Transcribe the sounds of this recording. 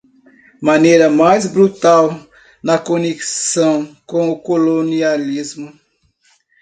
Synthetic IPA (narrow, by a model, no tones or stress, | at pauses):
mɐ̃nejɾɐmajzbɾut̪aw | nɐkoneki̥sɐ̃w̃kõw̃ʊkolonializmʊ